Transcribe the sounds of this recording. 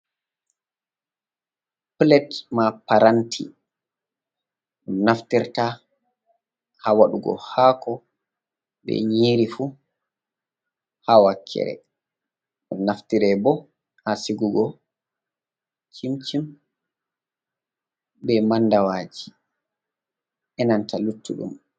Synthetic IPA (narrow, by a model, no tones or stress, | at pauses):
plɛtmapaɾantʰḭ | ɗunaftiɾta | hawaɗuɡɔ̰haːkɔ | bɛ̰ɲiːɾifu | hawakʰːɛ̰ɾɛ̰ | ɗumnaftiɾɛbɔ | hasiɡuɡɔ | t͡ʃimt͡ʃim | bɛmandawaːd͡ʒi | ʔɛnantʰalutːuɗṵm